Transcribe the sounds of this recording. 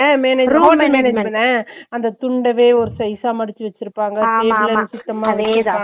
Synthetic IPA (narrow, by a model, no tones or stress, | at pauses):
meːnɐuɐnɐmeːned͡ʒmɐnɛɐnd̪ɐt̪ʊɳɖɐʋeːɔɾɯsɐɪsaːmɐɽɪt͡ʃːɯʋɐt͡ʃːɪɾɯpːaːŋɡɐelɐɐsɪʈːɐmaːaː